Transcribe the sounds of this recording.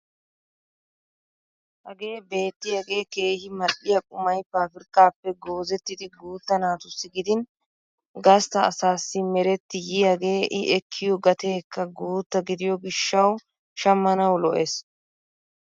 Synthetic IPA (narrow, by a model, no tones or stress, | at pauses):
hɐɡe̞ːbe̞ːt̪ːɪjɐɡe̞ːke̞ːhɪmɐɗɪjɐkʼʊmɐjpaːfɪɾkʼːaːpːɛɡo̞ːzɛt̪ːɪd̪ɪɡuːt̪ːɐnaːt̪ʊsːɪɡɪd̪ɪn | ɡɐst̪ɐːsaːsːɪmɛɾɛt̪ːɪjɪjɐɡe̞ːʔɪʔɛkʰːɪjɔɡɐt̪e̞ːkːɐɡuːt̪ːɐɡɪd̪ɪjɔɡɪʃːɐw | ʃɐmːɐnɐwlɔʔeːs